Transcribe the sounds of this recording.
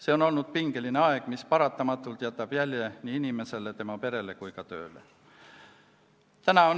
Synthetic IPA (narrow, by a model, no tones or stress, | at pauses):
se̞o̞no̞lnud̪̥piŋɡ̥e̞lineɑe̞ɡ̥mispɑɾɑt̪ːˑɑmɑt̪ːˑult̪jæt̪ːˑɑb̥jælʲje̞niːinime̞se̞le̞t̪e̞mɑpe̞ɾe̞le̞kujkɑt̪ø̞̰ːlḛ | t̪ænɑon